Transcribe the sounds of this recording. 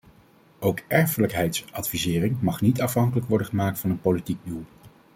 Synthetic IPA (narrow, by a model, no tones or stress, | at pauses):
owkɛɹfələkɦɛjtsʔɑdfizɪːrɪŋmɑχnitɑfɦɑŋkələkʋɔɹdəχəmaːk̚tfɑnənpolitiɡ̚dulˠ